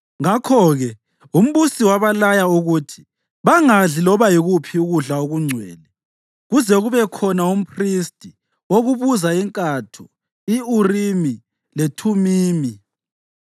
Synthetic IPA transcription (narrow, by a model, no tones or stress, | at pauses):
ŋakʰɔɣɛ | um̩βusiwaβalajauɣutʰi̥ | βaŋaɮilɔβajiɣupʰiuɣuɮaoɣuŋ͡ǀʱwɛ̰ːlɛ | ɣuzɛɣuβɛkʰɔnaum̩pʰristʼi | woɣuβuzaiŋkʼatʰu | iurimi | letʰumiːmi